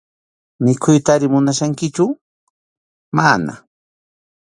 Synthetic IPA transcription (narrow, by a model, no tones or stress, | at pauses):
mɪkʰʊjt̪aːɾɪmʊnaʃaŋkɪt͡ʃʊ | mana̰